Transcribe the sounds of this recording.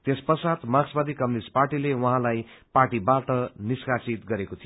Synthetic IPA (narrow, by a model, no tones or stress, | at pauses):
t̪espʌsat̪maɡsbʌd̪ʱikʌmnisʈ̚parʈilewʌɦãlajpaʈibaʈʌniskasit̪ɡʌɾekot̪ʰijo